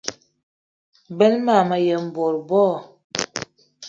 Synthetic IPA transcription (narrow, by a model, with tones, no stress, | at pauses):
bə˦lma˦˨ma˨jə˨m̩˨bo˨ɾbɔ˦˨